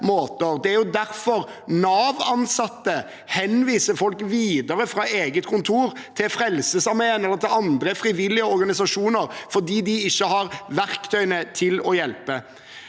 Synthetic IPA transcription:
moːt̪əɾd̪ɛæɾjʊd̪æɾfɔɾ | nɑːʋɑnsɑt̪ːə | hɛnʋiːsəfɔlkʋiːd̪əɾəfɾɑeːɡət̪kʰʊnt̪ʰuːɾ | t̪ʰɪlfɾɛlsəsɑɾmɛənɛlːəɾt̪ʰɪlɑnd̪ɾəfɾɪʋɪlːɪəɔɾɡɑnɪsɑʂuːnəɾfɔd̪iːd̪ɪɪçːəhɑɾʋæɾkt̪ʰœʏənət̪ʰɪlɔjɛlpə

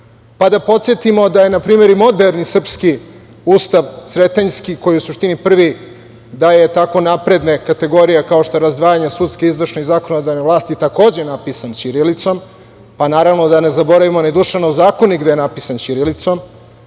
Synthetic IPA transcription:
pad̪apo̞t̪sjet̪imo̞d̪aje̞napɾiːme̞ɾimo̞d̪eɾnisr̩pski | uːst̪aʋsɾet̪eɲskiko̞jiusuʃt̪inipr̩ʋi | d̪aje̞t̪ako̞napɾed̪nekat̪e̞ɡo̞ɾijekao̞ʃt̪oeɾazd̪ʋaːjaɲesut̪skeizʋr̩ʃneɣzaːko̞nod̪aneʋlˠaːst̪it̪ako̞ːd͡ʑenapisant͡ɕiɾelit̪so̞m | panaːɾaʋno̞d̪anezabo̞ɾaʋimoned̪uʃeʋnozaːkoniɡd̪ejenapisant͡ɕiɾelit̪so̞m

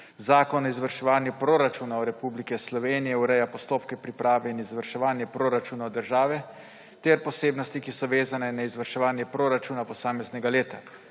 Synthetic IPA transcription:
zaːkɔnɔizʋəɾʃɛʋaːnjɛpɾoɾat͡ʃuːnaɔɾɛpublikɛslɔʋeːnijɛuɾɛjapɔst̪oːpkɛpɾipɾʔaːʋɛinizʋəɾʃɛʋaːnjɛpɾoɾat͡ʃuːnaɔd̪əɾʒaːʋɛ | t̪ɛɾpɔseːbnɔst̪ikisɔʋeːzanɛnaizʋəɾʃɛʋaːnjɛpɾoːɾat͡ʃuːnapɔsaːmɛznɛɡaleːt̪a

